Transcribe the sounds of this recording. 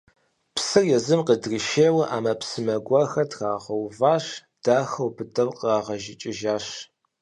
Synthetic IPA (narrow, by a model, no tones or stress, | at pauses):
psɨrjɛzɨmqədriʃeːwɐʔa̰ːmɐpsɨmɐɡʷɐxɐtʰxaːʁɐwvaːʂ | d̥aːxɐwbɨdɐwqəraːʁɐʒɪt͡ʃʼɪʒaːʂ